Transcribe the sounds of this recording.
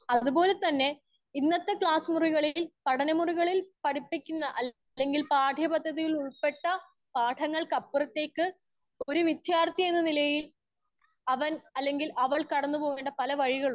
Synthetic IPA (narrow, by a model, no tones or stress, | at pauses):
ɐðupo̞ːle̞t̪ɐnːe̞ | inːɐt̪ːekɭaːsmuriɣɐɭilpɐɽɐnɐmuriɣɐɭilpɐɽipːikʲːunːɐʔɐ | lːe̞ŋɡilpaːʈʰjɐpɐd̪ʱːɐðijiɭuɭpe̞ʈːɐ | paːʈʰɐŋːɐɭkɐpːurɐt̪ːe̞ːkːɨ | o̞ɾuʋjid̪ʱjaːrt̪jɐmenːɐnilɐjil | ɐʋɐnɐlːe̞ŋɡilʔɐʋɐɭkɐɽɐnːupo̞ːɣeːɳɖɐpɐlɐʋɐɻiɣɐɭ